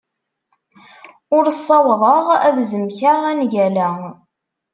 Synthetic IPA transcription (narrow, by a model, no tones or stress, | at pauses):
ʊɾsˤːɑwðˤəʁæðzəmçaʁænʝælæ